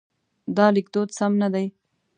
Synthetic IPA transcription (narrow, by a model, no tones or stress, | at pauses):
d̪ɑlɪkd̪od̪samnad̪aj